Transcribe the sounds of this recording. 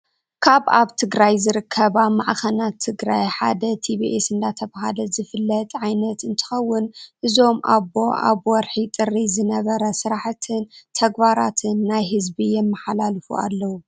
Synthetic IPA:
kʰaβaβt̪ʰɨɡɾajzɨɾɨkʰːɐβamaʕxɐnat̪ʰːɨɡɾajħa̰d̪ɐt̪ʰibiʔesɨnd̪at̪ʰɐβaɦalɐzɨfɨlːɐt̪ʼʕajnɐt̪ɨnt̪ʰɨ̥xɐwːʊnʔɨzo̞mʔa̰bo̞ʔa̰βwɔɾħit̪ʼɨrizɨnɐβɐɾɐsɨɾaħt̪ʰɨnt̪ʰɐɡbaɾat̪ʰɨnːajɦɨzbijɛmːɨħalalfṵa̰lːɐwu

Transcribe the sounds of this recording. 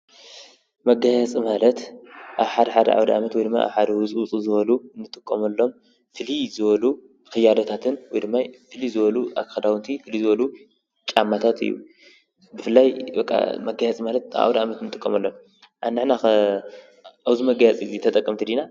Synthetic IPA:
mɐɡajɐt͡sʼimalɐt̪ʔaβħad̪ɐħad̪ɐ̰ʔa̰wd̪iʔa̰mɐt̪wɔjd̪ɨmːa̰jʔa̰βħad̪ɐwʊt͡sʼut͡sʼuzɨβɐlunːɨt̪ʼɨkʼːɐmɐlːo̞m | fɨlizɨβɐlu | kʰɨjːad̪ɐt̪ʰat̪ʰɨnwɔjd̪ɨmːajfɨlizɨβɐlua̰kɐd̪awɨnt̪ʰifɨlizɨβɐlu | t͡ʃʼamːat̪ʰat̪ɨ̰jːṵ | bɨfɨlːajbɐkʼːa̰mɐɡajat͡sʼimalɐt̪̚a̰ʔa̰wd̪iʔamɐt̪ɨnɨt̪ʼɨkʼːɐmɐlːo̞m | ʔa̰nɨʕna | ʔawzimɐɡajat͡sʼizit̪ʰɐt̪ʼɐkʼːɐmt̪ʰid̪ina

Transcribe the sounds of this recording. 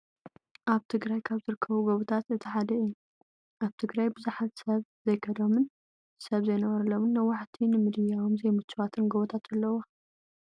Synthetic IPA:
ʔaβt̪ʰɨɡɾajkʰaβzɨɾɨkʰːɐβuɡoβut̪ʰat̪ɨt̪ʰiħad̪ɐɨjːu | ʔaβt̪ʰɨɡɾajbɨzuħat̪sɐβzɐjkʰɐd̪omɨn | sɐβzɐjnɐβɐɾɐlomɨnːɐwːaħt̪ʰinɨmɨd̪ɨjawomzejmɨt͡ʃːɨwat̪ʰɨnɡoβɐt̪ʰat̪ɐlːɐwo

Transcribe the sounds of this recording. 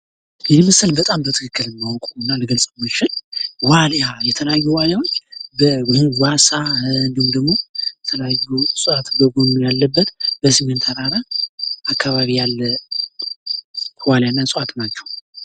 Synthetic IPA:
ɛnimɨsɨlbət̪ʼambət̪ʰɨkʰɨkːɨlɨmːawkʼuɨnːaləɡəlsʼəmət͡ʃɪlwaljajɛt̪ʰələjajːuwaljawot͡ʃːbənwasaɨnd̪ihumd̪əɡmo̞jɛt̪ʰələjajːusʼuʔat̪ɡəɡonjalːəbːət̪b̥əsɨŋɨnt̪ʰaɾaɾaakʰːaβaβijalːə | waljanːasʼɨʔat̪nat͡ʃːɛ̥wu

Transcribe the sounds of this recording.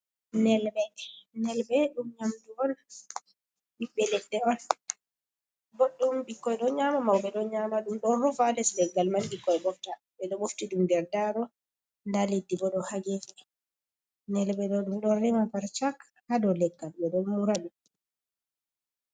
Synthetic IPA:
nɛlbɛnɛlbɛɗumɲamduɔn | biɓɛlɛdːɛɔn | bɔɗːɔmbikːɔjɗɔɲamamawbɛɗɔɲamaɗumɗɔɔfalɛslɛɡːalmanbikːɔjɓɔfta | ɓɛɗɔboftiɗumdɛɾdaɾɔ | ndaledːibɔɗɔhaɡɛfɛ | nɛlɓɛɗɔɗumɗɔnrɛmapaɾt͡ʃak | hadɔlɛɡːalbɛɗɔnmuɾaɗum

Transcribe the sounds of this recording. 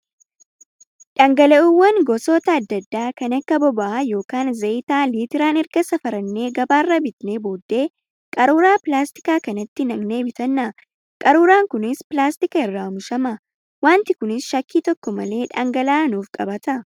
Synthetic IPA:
ᶑɐŋɡɐlɐʔuwːɐŋɡɔsoːt̪ɐːd̪ːɐd̪ːaːkɐnɐkːɐbɔbɐʔɐjo̞ːkaːnzɐɪt̪aːliːt̪ɪɾaːnɛɾɡɐsɐfɐɾɐnːe̞ːɡɐbaːrːɐbɪt̪neːboːd̪ːe̞ː | kʼɐɾuːɾaːpɪlaːst̪ɪ̥kaːkɐnɐt̪ːɪnɐɡne̞ːbɪt̪ɐnːɐ | kʼɐɾuːɾaːŋkʊnɪspɪlaːst̪ɪkɐɪrːaːʊmʊʃɐmɐ | waːnt̪ɪkʊnɪsʃɐkːiːt̪ɔkːɔmɐle̞ːᶑɐŋɡɐlaːnuːfkʼɐbɐt̪ɐ

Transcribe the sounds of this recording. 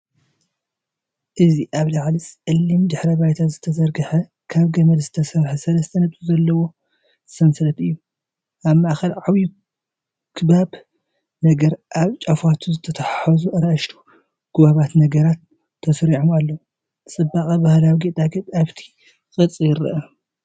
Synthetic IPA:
ʔɨziʔaβlaʕlit͡sʼʕɨlːimd̪ɨħɾɐbajt̪ʰazɨt̪ʰɐzɐɾɡɐħɐ | kʰaβɡɐmɐd̪zɨt̪ʰɐsɐɾħɐsɐlɐst̪ʰɐnɐt̪ʼuzɐlːɐwo̞ | zɨsɐnsɐlɐt̪ɨjːu | ʔaβmɐʔaxɐlʕawi | kʰɨβab | nɐɡɐɾʔaβt͡ʃʼafat̪ʰuzɨt̪ʰɐt̪ʰɐħɐzuʔɐɾaʃt̪ʰu̥ | ɡ̥ɨβaβat̪nɐɡɐɾat̪ʰː | ɐsɾiʕomalːɐwu | t͡sʼɨbːaχʼɐbahlawiɡet̪ʼaɡɐt̪ʼaβt̪ʰi̥ | kʼɨt͡sʼːijɪɾɨ̰ʔɐ

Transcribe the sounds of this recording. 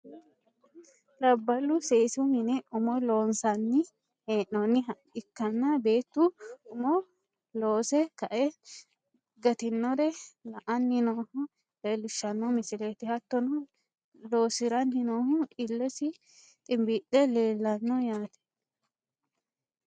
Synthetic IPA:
lɐbːɐlːʊseːsʊhɪnɛʊmɔloːnsɐnːɪ | heːʔːɔnɪ | ɪkːɐnːɐbe̞ːt̪ːʊʊmɔ | loːsɛkɐʔɛ | ɡɐt̪ɪnːɔɾɛlɐʔɐnːɪnoːhʊ | leːlːɪʃːɐnːɔmɪsɪleːt̪ɪhɐt̪ːɔnɔ | lo̞ːsɪɾɐnːɪnoːhʊʔɪlːɛsɪ | t̪ʼɪmbɪɗɛle̞ːlːɐnːɔjaːt̪ɛ̥

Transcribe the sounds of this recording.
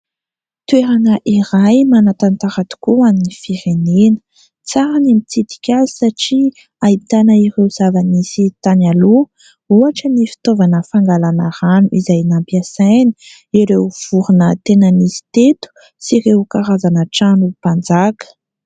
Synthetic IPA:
t̪weɾanəʔiɾajmanat̪ant̪aɾat̪u̥kuaninifiɾenenə̥ | t͡saɾanamit͡sit̪i̥kʲazi̥saʈ͡ʂi | ait̪anəiɾewz̥avanisit̪analu | uaʈ͡ʂənifi̥t̪ovanəfaŋɡalanaɾanuʔizajnampjasajni̥ | iɾeuv̥uɾunət̪enənisi̥t̪et̪u̥ | siɾewkaɾazanəʈ͡ʂanupand͡zakə̥

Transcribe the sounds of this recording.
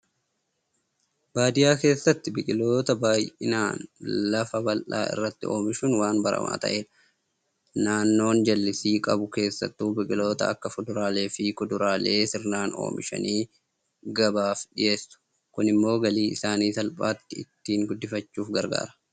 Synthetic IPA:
baːd̪ɪjaːke̞ːsːɐt̪ːɪbɪkʼɪlo̞ːt̪ɐbaːjʔɪ̰naːnlɐfɐbɐlʔa̰ːɪ̰rːɐt̪ːɪʔo̞ːmɪʃʊnwaːnbɐɾɐ̰ma̰ːt̪ɐ̰ʔe̞ːᶑɐ̥ | naːnːo̞ːnd͡ʒɐlːɪsiːkʼɐbʊke̞ːsːɐ̰t̪ːuːbɪkʼɪlo̞ːt̪ɐ̰ɐkːɐfʊd̪ʊɾaːle̞ːfɪkʊd̪ʊɾaːle̞ːsɪɾnaːno̰ːmɪ̰ʃɐ̰niː | ɡɐbaːfᶑɪje̞ːsːʊ̥ | kʊnɪmːo̞ːɡɐliːɪsaːniːsɐlpʼaːt̪ːɪɪt̪ːiːŋɡʊd̪ːɪfɐt͡ʃːuːfɡɐɾɡa̰ːɾɐ̥

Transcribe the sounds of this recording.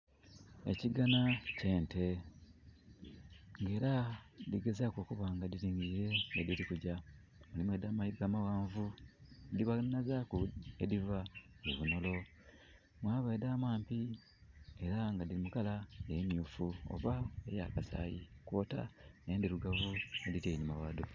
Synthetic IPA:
e̞̰ciɡanace̞ːnte̞ | ŋɡe̞ːɾadiɡe̞zakoːkuβaŋɡadiɾiːɲɡiɾe̞ŋɡadiɾikuɟa | mulimwedaːmaidaːmawaːɱvudiβanazakuedivaiβunolo̞ | mwaːβedaːmwaːmpi | e̞ɾaŋɡadilimukalajemjuːfuo̰βaeja̰kasa̰ːjikwo̞ːta̰neendiɾuɡavueditenimawaːdu

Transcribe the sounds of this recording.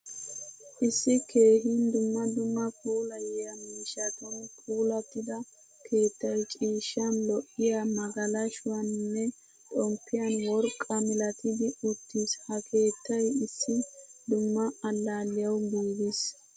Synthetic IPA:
ʔɪsːɪke̞ːhind̪ʊmːɐd̪ʊmːɐpʰʼuːlɐjɛjɐmiiːʃːɐt̪ɔnpʰʼuːlɐt̪ːɪd̪ɐ | kʰe̞ːt̪ːɐjt͡ʃʼiːʃːɐnlɔʔːɪjamɐɡɐlɐʃʊwɐnːɛ | t̪ʼɔmpːɪjɐnwɔɾkʼːɐmɪlɐt̪ɪd̪ɪʊt̪ːɪshɐkʰe̞ːt̪ʰːɐjɪsːɪd̪ʊmːɐɐlːaːlːɪjɐwɡiːɡ̪ɪs

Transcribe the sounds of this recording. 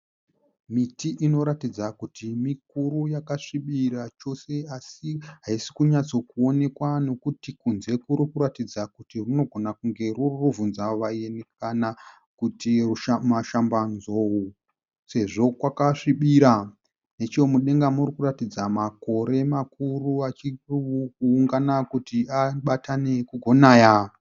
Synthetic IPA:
mitiʔino̞ɾatid͡zakutimik̚uɾujakaʂiɓiɾat͡ʃo̞se̞asiɦaisi̥kuɲat͡so̞kuo̞ne̞kwano̞kutikunze̞kuɾikuɾatid͡zakutiruno̞ɡʱo̞nakuŋɡe̞ruruvunzaʋaene̞k̚ana | kutirumaʃambanzowu | se̞ʐo̞kwakaʂiɓiɾa | ne̞t͡ʃoomuɗe̞ŋɡamurikuratid͡zamako̞ɾe̞makuruat͡ʃirkuːŋɡanakutiaɓatʰane̞kuɡʱo̞naːja

